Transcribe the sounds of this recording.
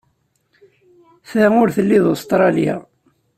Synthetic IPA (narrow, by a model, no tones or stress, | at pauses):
θæʊɾθəlːiðost̪ɾˤɑlja̰